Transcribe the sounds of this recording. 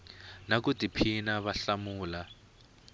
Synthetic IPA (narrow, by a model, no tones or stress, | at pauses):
nak̬utipʰinaβaɬamuːla